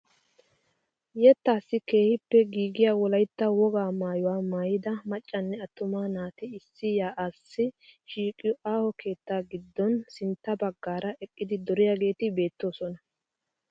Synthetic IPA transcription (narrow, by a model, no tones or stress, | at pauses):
jɛt̪ːaːsːɪke̞ːhɪpːɛɡiːɡɪjaːwɔlɐjt̪ːɐwɔɡaːmaːjɔwaːmaːjɪd̪ɐmɐt͡ʃʼːɐnːɛɐt̪ːʊmaːnaːt̪ɪɪsːɪjaːʔaːsːɪʃiːkʼːɪjɔʔaːhɔke̞ːt̪ːaːɡɪd̪ːɔnsɪnt̪ːɐbɐɡːaːɾɐʔɛkʼːɪd̪ɪd̪ɔɾɪjaɡe̞ːt̪ɪbe̞ːt̪ːo̞ːsɔnɐ